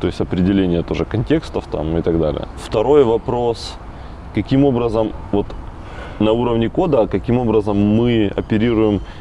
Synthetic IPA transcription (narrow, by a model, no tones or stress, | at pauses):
t̪o̞ɪsʲtʲɐpɾʲɪdʲɪlʲenʲɪjət̪o̞ʐɨkɐnʲtʲe̞kst̪əft̪a̰mɪt̪ɐɡd̪a̰lʲɪ̰jə̰ft̪ɐɾo̞jvɐpɾo̞s | kɐkʲimo̞bɾəzəmvo̞t̪ | nɐuɾəvnʲɪko̞d̪əkɐkʲimo̞bɾəzəmːɨɐ̰pʲɪɾʲiɾʊjɪm